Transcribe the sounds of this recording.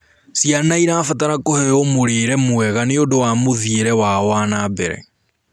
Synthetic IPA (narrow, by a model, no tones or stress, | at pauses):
sianaiɾafataɾakohɛjɔmoɾeːɾɛmwɛɣaneodowamoðieɾɛwawaːnaːbeɾɛ̰